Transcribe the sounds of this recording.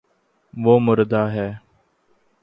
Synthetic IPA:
ʋoːmʊɾd̪aːɦɛː

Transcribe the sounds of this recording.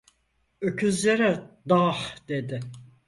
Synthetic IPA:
øcʰyzlʲeɾɛd̪ahd̪ed̪ɪ

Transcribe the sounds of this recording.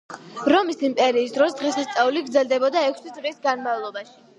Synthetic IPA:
ɾɔmisimpʼɛɾiːsd̪ɾɔsd̪̥ʁɛsast̪sʼauliɡɾd̪zɛld̪ɛbɔd̪aɛkʰsid̪sʼvlisɡanmavlˠɔbaʃi̥

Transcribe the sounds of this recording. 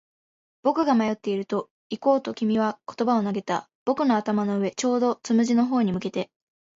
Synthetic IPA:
b̥o̞kɯ̟ɡamajo̞t̪ːe̞iɾɯ̟t̪o̞ | iko̞ːt̪o̞kʲimʲiβ̞ako̥t̪o̞bao̞naɡe̞t̪a | b̥o̞kɯ̟no̞at̪amano̞ɯ̟βe̞t͡ɕo̞ːd̪o̞t͡sɨmɯ̟ʑino̞ɦo̞ːɲ̟imɯ̟ke̞t̪e̞

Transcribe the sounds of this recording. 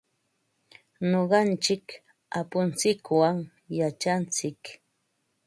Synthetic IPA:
ɲoɢɑnt͡ʃɪk | apʊnt͡sɪkwaŋ | jat͡ʃant͡sɪk

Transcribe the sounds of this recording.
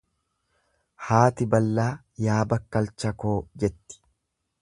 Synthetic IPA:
haːt̪ɪbɐlːaː | jaːbɐkːɐlt͡ʃɐkoːd͡ʒɛt̪ːɪ̥

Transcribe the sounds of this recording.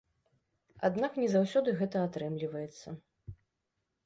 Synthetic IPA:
a̰d̪naknʲɛzawsʲɔd̪ɨɣɛt̪ɐat̪ɾɛmlʲivɐjɛt̪sːɐ

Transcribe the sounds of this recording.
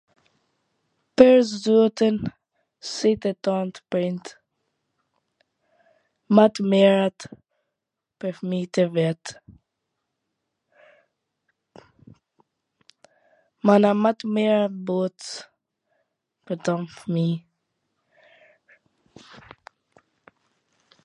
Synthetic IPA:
pɛɾzdut̪ən | sit̪ɛt̪ɔnt̪əpɾint̪ | mat̪mɛɾat̪ | pəɾfmit̪ɛvɛt̪ | manamat̪mɛɾabut̪s | pəɾt̪ɔmfmi

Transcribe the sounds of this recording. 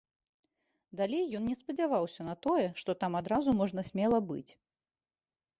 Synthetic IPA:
d̪alʲejːɔnnʲɛspɐd͡zʲavawsʲɐnɐt̪ɔjɛʂt̪ɔt̪amad̪ɾazumɔʐnɐsʲmʲɛlˠɐbɨ̰t͡sʲ

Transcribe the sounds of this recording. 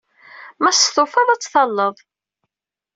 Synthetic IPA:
mæst̪ofɑðˤɑt͡sːθɑlːəðˤ

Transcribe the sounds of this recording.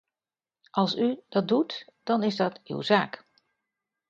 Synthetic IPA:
ʔɑlˠsyd̥ɑt̚dutd̥ɑnɪzdɑty̰wzaːk

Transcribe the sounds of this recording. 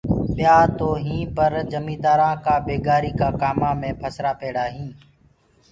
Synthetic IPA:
ɓɪjaːt̪oːɦĩːpəɾd͡ʒəmĩːd̪aːɾãːkaːbeːɡaːɾiːkaːkaːmãːmẽːpʰəsɾaːpeːɽaːɦĩː

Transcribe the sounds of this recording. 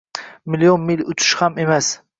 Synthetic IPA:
mɪlijonmilʲʊt͡ʃ̪ʰʊ̥ʃhamemas

